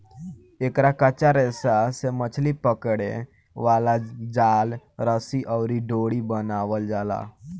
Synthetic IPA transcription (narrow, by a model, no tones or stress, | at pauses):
ekɾakət͡ʃaɾɛsasemət͡ʃʰlipəkɽḛ̃ | ʋalad͡ʒalɾəsiʔəwɾiɖoɽibənaʋəld͡ʒaːla̰